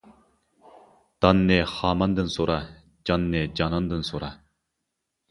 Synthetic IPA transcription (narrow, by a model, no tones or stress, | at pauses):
t̪ɑnːeχɑːmɑnd̪ɯnsoɾɑ | d͡ʒɑnːed͡ʒɑnɑnd̪ɯnsoɾɑ